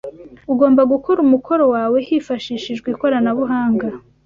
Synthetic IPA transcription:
uɡo̞ːmbaɡukoɾumukʰo̞ɾo̞waːwe̞hifaʃiːʃiʒɡwiko̞ɾanaβuɦaːŋɡa

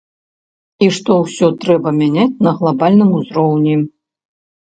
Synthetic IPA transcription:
iʂt̪ɔwsʲɔt̪ɾɛbɐmʲanʲat͡sʲnɐɣlˠabalʲnɨmuzɾɔwnʲi

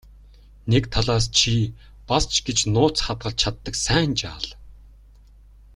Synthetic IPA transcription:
nekt̪ʰaɮaːst͡ɕʰi | past͡ɕɡet͡ɕnʊːt͡sχat̪̚ɢə̆ɮt͡ɕʰat̪ːə̆ksæːnt͡ɕa̰ːɮ

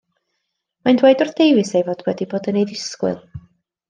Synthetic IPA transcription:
majndwejdʊrθd̥ejwɨsejvoːdwɛdiboːdənejðɪskwɨ̰lˠ

